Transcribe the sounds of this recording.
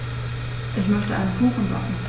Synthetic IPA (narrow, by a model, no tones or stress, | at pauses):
ʔɪçmœçtəʔa̰ɪnənkʰuːχən̩bakn̩